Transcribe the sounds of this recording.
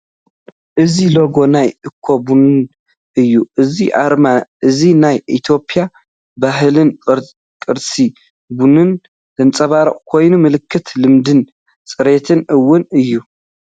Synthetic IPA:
ʔɨziloɡo̞najʔɨkʰːobunɨn | ʔɨjːuʔɨziʕa̰ɾmaʔɨzinajʔit̪ʰjo̞pʼija | baɦlɨn | kʼɨɾsʼi | bunɨn | d̪ɐnt͡sʼɐβaɾɐχʼkʰo̞jnumɨlɨkʰːɨt̪lɨmd̪ɨn | t͡sʼɨɾet̪ʰɨnɨwːʊnɨjːu

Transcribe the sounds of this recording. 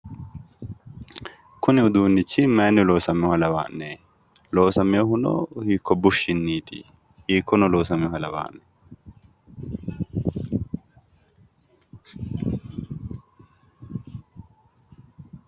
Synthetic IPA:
kʊnɪʊd̪uːnːɪt͡ʃːɪmeːnːɪlo̞ːsɐmɪhɐlɐwa̰ːnːe | lo̞ːsɐmɪjɔhʊnɔ̰hiːkːɔbʊʃɪnːiːt̪ʰḭ | hiːkːɔnɔlo̞ːsɐmɪɔhɐlɐwa̰ːnːɛ̥

